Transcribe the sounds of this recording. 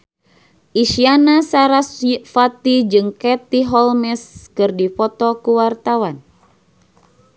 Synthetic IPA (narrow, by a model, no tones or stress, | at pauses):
ʔiʃianasaɾasfat̪id͡ʒɨŋkɛt̪iɦɔlmɛskɨrdipɔt̪ɔkuwart̪awan